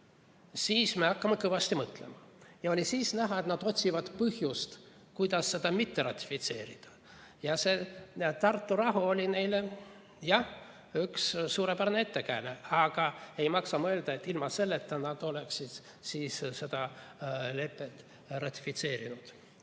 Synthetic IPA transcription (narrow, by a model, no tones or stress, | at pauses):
siːsmeɑkːɑmekɤvɑst̪imɤt̪lemɑjɑo̞lʲisiːsnæɦɑe̞t̪nɑd̪̥o̞t̪ʲsivɑd̪̥pɤhjust̪ | kujd̪̥ɑsːe̞d̪̥ɑmit̪ːe̞rɑt̪ʲːˑi̥fit̪se̞ːɾid̪̥ɑ̥ | jɑse̞ːt̪ɑrt̪ːurɑɦuo̞lʲine̞jle | jɑh | ykssuːɾepærneet̪ːekæːneɑɡ̥ɑe̞jmɑksɑmoøe̞ld̪̥ɑe̞t̪ːilmɑse̞lːet̪ːɑnɑd̪̥o̞le̞ksid̪̥ | siːsse̞d̪̥ɑ | le̞pːˑe̞t̪ːˑ | rɑt̪ʲːˑi̥fit̪se̞ːɾinud̪̥